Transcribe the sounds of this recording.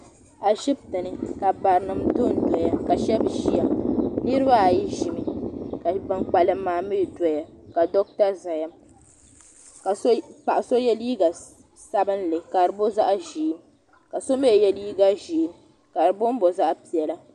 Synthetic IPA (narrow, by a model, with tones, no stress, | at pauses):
a˨ʒi˦b̚tɨ˨nɨ˨ka˨ba˨ɾɨ˨nɨ˨mto˦˨n˨dɔ˨ja˦ka˨ʃɛ˦bʒi˦ja˨mnɨ˦ɾɨ˦ba˦˨ji˦ʒi˦mi˨ka˨ba˨ŋk͡pa˨lɨ˨˦mːaː˨mɨ˦˨dɔ˦ja˨ka˨dɔ˦k̚ta˦za˨ja˦m | ka˨spa˨ʔa˨so˦jɛ˦liː˦ɡa˨ | sa˦bɨ˦nlɨ˨ka˨ɾɨ˨bo˦za˦ʔʒiː˨˦m | ka˨so˦me˦˨jɛ˦liː˦ɡa˦ʒiː˨˦m | ka˨ɾɨ˨bʊ˦n˦bo˨za˦ʔpi˨ɛ˨la˦